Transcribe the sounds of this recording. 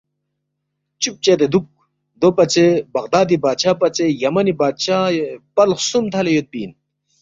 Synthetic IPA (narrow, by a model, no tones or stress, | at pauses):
t͡ɕup̚t͡ɕet̪ed̪uk̚ | d̪opɐt͡sebɐqd̪aːd̪ibaːt͡ɕʰaːpɐt͡sejɐmɐnibaːɕaːpɐlχsumt̪ʰɐlejot̪̚piːn